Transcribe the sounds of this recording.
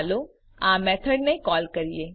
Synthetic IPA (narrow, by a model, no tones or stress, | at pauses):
lo | amɛt̪ʰəɖnekɔːlkəɾije